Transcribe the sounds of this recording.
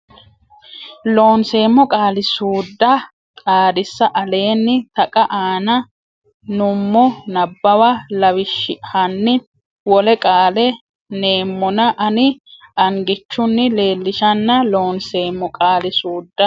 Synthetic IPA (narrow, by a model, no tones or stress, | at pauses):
lo̞ːnse̞ːmːɔkʼaːlɪsuːd̪ːɐ | t̪ʼaːd̪ɪsːɐʔɐle̞ːnːɪt̪ɐkʼɐʔaːnɐ | nʊmːɔnɐbːɐwɐlɐwɪʃɪhɐnːɪ | wɔlɛkʼaːlɛ | ne̞ːmːɔnɐʔɐnɪɐŋɡɪt͡ʃːʊnːɪle̞ːlːɪʃɐnːɐlo̞ːnseːmːɔkʼaːlɪsuːd̪ːɐ